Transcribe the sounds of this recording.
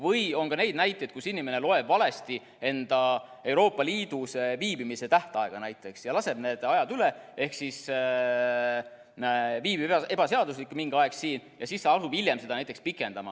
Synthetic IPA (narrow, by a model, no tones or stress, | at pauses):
vɤjo̞nkɑne̞jd̪̚næjt̪ːˑed̪̚kusinːime̞ne̞lo̞e̞b̥vɑle̞st̪i | e̞nd̪̥ɑ | e̞wɾo̞ːpːˑɑliːd̪̥useviːbimise̞t̪æht̪ɑe̞ɡ̥ɑnæjt̪ːˑe̞ksjɑlɑse̞b̥ne̞ːd̪̥ɑjɑd̪ylee̞hksis | viːbie̞b̥ɑse̞ɑd̪uslikːmiŋɡ̥ɑeksiːnjʔɑsiːsːɑɑsub̥ilʲjemse̞d̪ɑnæjt̪ːˑekspikˑːe̞nd̪̥ɑmɑ̰